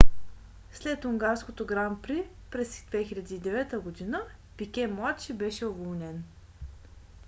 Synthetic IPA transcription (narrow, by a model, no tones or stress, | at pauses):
slɛt̪ʊŋɡaɾskot̪oɡɾampɾi | pɾɛsd̪vɛxilʲɐd̪iːd̪ɛvɛt̪əɡod̪inə | pikʲɛmlˠat̪t͡ʃibɛʃɛovolˠnʲɛn